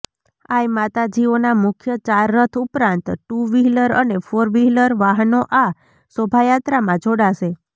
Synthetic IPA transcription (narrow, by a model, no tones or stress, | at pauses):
ajmat̪ad͡ʒionamʊkʰjət͡ʃaɾːət̪ʰupɾãnt̪ʈuʋiɦləɾənefoɾʋiɦləɾʋaɦnoʔa | səbʱajat̪ɾamãd͡ʒʱoɽaʃe